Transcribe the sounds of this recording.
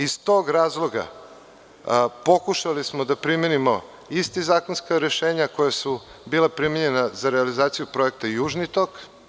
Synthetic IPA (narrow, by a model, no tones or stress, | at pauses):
ist̪o̞ːɡɾaːzlˠo̞ɡa̰ | po̞kuʃalismod̪apɾimenimo̞ | ist̪izaːkonskaɾeʃeːɲako̞jasu | biːlˠapɾimeɲe̞nazaɾealizaːt̪sijupɾo̞e̞k̚t̪aijuːʒnit̪ok